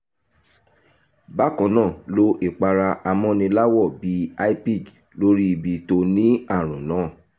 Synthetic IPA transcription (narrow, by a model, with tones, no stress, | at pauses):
ba˦˨kɔ̃˨˦nãː˦˨lo˧ʔe˨k͡pa˧ɾa˧a˧mɔ̃˧nĩ˧la˦wɔ˦˨bi˨˦a˦i˦pi˦˨d | lo˦ɾi˦i˧˨bi˧to˧nĩ˦a˦˨ɾ̃ũ˨nãː˨˦˨